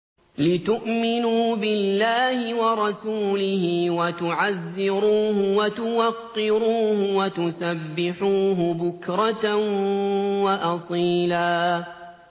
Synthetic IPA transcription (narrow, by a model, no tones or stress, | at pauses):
lɪt̪ʊʔmɪnuːbɪlːaːhɪwɑɾˤɑsuːlɪhɪwat̪ʊʕazːɪɾuːhʊwat̪ʊwaqːɪɾuːhʊwat̪ʊsabːɪħuːɦʊbʊkɾˤɑt̪ | waʔɑsˤiːlaː